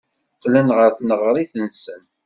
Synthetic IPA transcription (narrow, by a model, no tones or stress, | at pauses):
qːlənʁəɾθnəʁɾˤiθənsən